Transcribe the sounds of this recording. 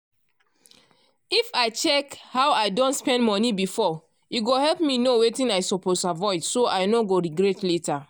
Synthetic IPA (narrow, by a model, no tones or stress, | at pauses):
ifaɪt͡ʃɛkhawaɪdɔ̃ntspɛ̃ndmɔnibifɔ | iɡohɛlpminowetĩnajsɔposavɔɪdsoʔaɪnoɡoɹiɡɾɛtleta